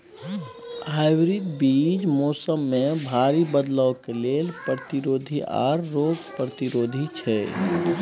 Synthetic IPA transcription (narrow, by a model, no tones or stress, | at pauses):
aɪwɾid̪biːd͡ʒmɔːsəmːẽbʱaːɾibəd̪ləwkelelpɾət̪iɾoːd̪ʱiʔa̰ːɾːoːɡpɾət̪iɾoːd̪ʱit͡ʃʰɛ